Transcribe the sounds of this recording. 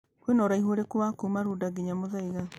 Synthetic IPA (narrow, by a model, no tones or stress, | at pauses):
kwenoɾaihoɾekuwakumaɾudaɡiɲamoðaiɣa